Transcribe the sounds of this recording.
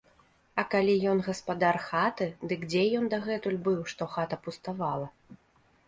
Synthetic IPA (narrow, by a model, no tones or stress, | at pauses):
ɐkalʲijɔnɣɐspad̪arxat̪ɨd̪ɨkd͡zʲɛjɔnd̪ɐɣɛt̪ulʲbɨwʂt̪ɔxat̪ɐpust̪avalˠɐ